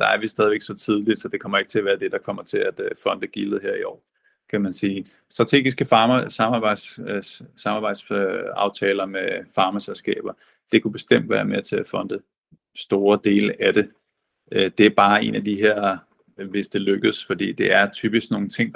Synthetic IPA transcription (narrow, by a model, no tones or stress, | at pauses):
d̥ɑ̈æɐʋisd̥ɛðˠʋeɡ̥sɒ̽t͡sʰið̞ˠli̥sɒ̽d̥e̝kʰɒ̽m̰ɐe̝ɡ̥t͡sʰe̝æʋæːɐd̥e̝d̥ɑ̈kʰɒ̽m̰ɐt͡sʰe̝læd̥fɒ̽nd̥əɡ̥ilð̩ˠɦeɐ̰iɒ̰ː | kʰæmænsiː | sd̥ʁɑ̈t͡sʰe̝̰ːɡ̥isɡ̥əfɑːmsɑ̈mɑ̈bɑ̈ɪ̰d̥ssɑ̈mɑ̈ːb̥ɑ̈ɪ̥sɑ̈ʊt͡sʰɛːlɐmefɑ̈ːmæselsɡ̥ɛ̰ːb̥ɐ | d̥e̝kʰub̥e̝sd̥em̰d̥ʋæ̰ːɐmet͡sʰe̝æfɒ̽nd̥ə | sd̥o̝ːɐd̥e̝̰ːləʔæd̥e̝ | ʔød̥e̝æɐb̥ɑ̈ːe̝̰ːnæd̥iɦeɐ̰ | ʋe̝sd̥e̝løɡ̥əð̩ˠsfɒ̽d̥ḭːd̥e̝æɐt͡sʰyːb̥isɡ̥no̝ːn̩t͡sʰe̝ŋ̰